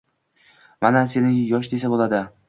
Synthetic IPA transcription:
manase̞nɪjɒʃ̬d̪esabolˠad̪ɪ

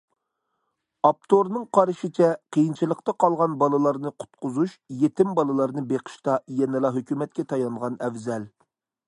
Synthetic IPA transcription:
ɑp̚t̪ʰoɾnɨŋqʰɑɾʃit͡ʃʰɛqʰəjint͡ʃʰilˠəqt̪ɑqʰɑlˠʁɑnbɑlˠɨlˠɑɾnɨqʰʊ̥t̪qʰʊzuʃjet̪ʰɪmbɑlˠɨlˠɑɾnɨbeqʰə̥ʃt̪ɑjɛnɪlˠɑɦøkʲymɛt̪̚kʲɛt̪ʰɑjɑnʁɑnɛvzɛl

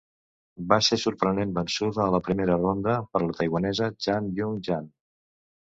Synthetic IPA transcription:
basesuɾpɾənembənsuðəːləpɾimeɾərond̪əpəɾlət̪əjɣwənɛzəʒamjuŋʒan

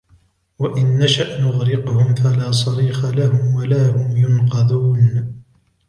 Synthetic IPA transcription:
waʔɪnːaʃaʔnʊɣɾɪqʊhʊmfalaːs̬ˤɑɾiːxalahʊmwalaːhʊmjʊnqɑd̪uːn

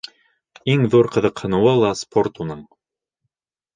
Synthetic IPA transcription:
iŋðuɾqɤ̆ðɤ̆qhɤ̆nɤ̆wɤlˠɑspʰort̪unɤɴ

